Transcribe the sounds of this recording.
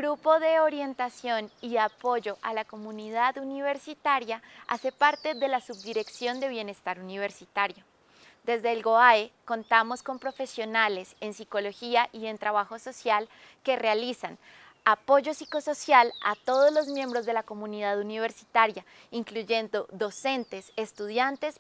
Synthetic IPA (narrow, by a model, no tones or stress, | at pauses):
ɡɾupo̞ðe̞oɾje̞nt̪asjo̞niapo̞ʝo̞ʔalako̞muniðaðuniβe̞ɾsit̪aɾjaa̰se̞paɾt̪e̞ðe̞lasub̚d̪iɾe̞ksjo̞nd̪e̞β̞je̞ne̞st̪aɾuniβe̞ɾsit̪aɾjo̞ | d̪e̞zd̪e̞ːlɡo̞aeko̞nt̪amo̞sko̞mpɾo̞fe̞sjo̞nale̞se̞nsiko̞lo̞xiaʔie̞nt̪ɾaβaxo̞so̞sjal | ke̞realisan | apo̞ʝo̞siko̞so̞sjala̰t̪o̞ð̞o̞zlo̞zmje̞mbɾo̞zðe̞lako̞mũniðaðuniβ̞e̞ɾsi̥t̪aɾja | iŋkluʝe̞nd̪o̞ðo̞se̞nt̪e̞sest̪uðjant̪e̞s